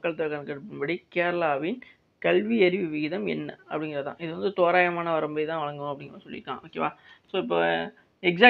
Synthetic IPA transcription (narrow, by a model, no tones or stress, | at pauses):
ɐkːɐɭt̪ɐɾkːɐnkːɐɽɯpːɪnbɐɽikeːɾɐɭaːʋɪn | kɐlʋiɐɾɪʋɯʋɪɣɪðɐmɛ̰nːɐɐpːɐɽɪŋɡɪɾɐɐt̪ã̰ːʔɪðɯʋɐnd̪ɯt̪oːɾaːjɐmaːnɐʋɐɾɐmbɐɪt̪ãːʋɐɭɐŋɡʊ̃ɐpːɐɽɪŋɡɾasɔlːɪ̰ɾkːã̰ːʔoːkːḛːʋaːsoːɪpːoː | ɛksaː